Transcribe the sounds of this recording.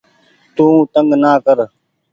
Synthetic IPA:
t̪ũːt̪əŋɡnaːkəɾ

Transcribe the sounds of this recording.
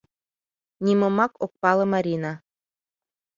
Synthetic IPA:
nʲimɤ̆mɑkok̚pɑlˠɤ̆mɑɾʲinɑ

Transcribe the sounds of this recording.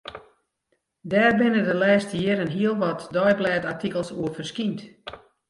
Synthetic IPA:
dɛːrbɪnədəlɛːstəjɪɾənɦiəlˠʋɔtdɔjblɛːtartikəlˠsuərfərskint

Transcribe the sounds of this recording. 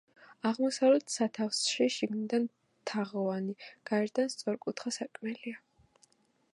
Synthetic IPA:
aʁmɔsavlɛt̪ʰsat̪ʰafsʃiʃiɡnid̪an | t̪ʰaʁɔvaniɡ̥aɛɾd̪anst̪sʼɔɾkʼut̪ʰχasakʼmɛlia

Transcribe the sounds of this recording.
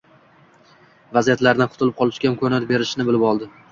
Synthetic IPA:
vazijat̪laɾnɪqʰʊ̥t̪ʰɪlɪp̚qʰɒlˠɪʃkʲankʰɵnaɾbe̞ɾɪʃnɪbɪlɪpɒlˠd̪ɪ

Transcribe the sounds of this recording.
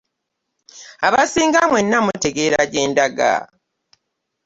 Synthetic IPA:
aβasiːŋɡamwe̞nːamute̞ɡe̞ːɾaɟe̞ːndaɡa̰

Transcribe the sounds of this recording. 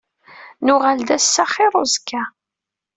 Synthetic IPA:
nʊʁald̪æsːaχɪɾˤozkʰːæ

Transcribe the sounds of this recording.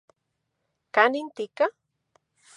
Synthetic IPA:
kanint̪ɪka

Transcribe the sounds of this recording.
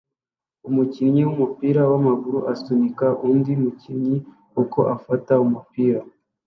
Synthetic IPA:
umuciɾɲiwumupiːɾawamaɡuɾuʔasumikaʔuːndiumuciɾɲi | uko̞ʔafataumupiːɾa

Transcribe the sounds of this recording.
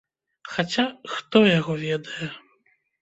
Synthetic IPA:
xat͡sʲaxt̪ɔjaɣɔvʲɛd̪ɐjɛ

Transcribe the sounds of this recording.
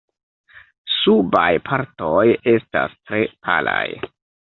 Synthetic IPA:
subajpʰaɾto̞je̞sta̰stɾe̞pʰa̰laj

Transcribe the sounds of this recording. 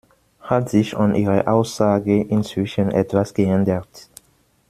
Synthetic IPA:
hatz̥ɪçanʔiːʁəʔaʊsz̥aːɡəʔɪnt͡sv̥ɪʃənʔɛtv̥asɡ̥əʔɛndət

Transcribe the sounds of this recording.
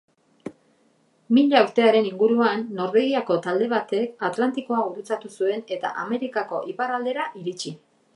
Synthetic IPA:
miʎaauwɾt̪e̞aɾe̞niŋɡuɾuanːo̞ɾβeɣiako̞t̪ald̪e̞β̞at̪e̞kat̪lant̪iko̞auɾut͡sat̪usue̞ne̞t̪a̰ʔame̞ɾikako̞̰ʔipaɾald̪e̞ɾaʔiɾit͡ʃi

